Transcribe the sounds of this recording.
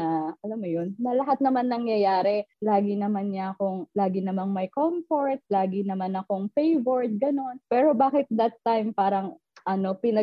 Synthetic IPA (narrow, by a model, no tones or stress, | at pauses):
ɐʔɐlamːojonːɐlɐɦat̪̚nɐmanːɐŋjɐjaːɾɛlaːɡɪnɐmanɲɐʔɐko̞ŋlaːɡɪnɐmaŋmɐjkomfoɹt̪̚laːɡɪnɐmanɐko̞ŋfejvoɹd̪̚ɡɐno̞npɛːɾo̞baːkɪt̪̚d̪ɐt̪ːajmpaːɾɐŋ | ʔɐno̞pɪnɐ